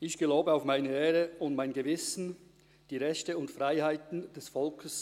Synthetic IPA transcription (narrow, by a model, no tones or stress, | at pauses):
ɪçɡ̥əlaʊbəaʊfmaɪnəeːʁəʊntmaɪnɡəvɪsn̩ | d̥iːʁɛçtəʊntfʁaɪhaɪtn̩d̥ɛsfɔlkʰəs